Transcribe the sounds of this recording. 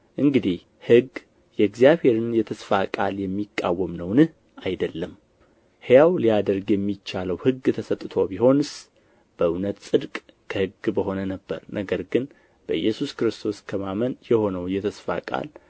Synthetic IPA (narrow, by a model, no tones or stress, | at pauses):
ʔɨŋɡɨd̪ih | hɨɡ | jɛɡzijaβhe̞ɾɨnjɛt̪ʰəsfakʼaljɛmːikʼːa̰wːəmnəwnɨh | ajd̪əlːəm | hejawlijad̪əɾɡjɛmːit͡ʃːaləwhɨɡːt̪ʰəsət̪ʼɨt̪ʰobiho̞nɨs | b̥əʔɨwnət̪sʼɨd̪kʼkʰəhɨɡbəɦo̞nənəbːə̰ɾnʔəɡəɾɡɨn | b̥əjɛsuskɾɨst̪ʰo̞skʰəmamənjɛho̞nəwjɛt̪ʰəsfa̰kʼa̰l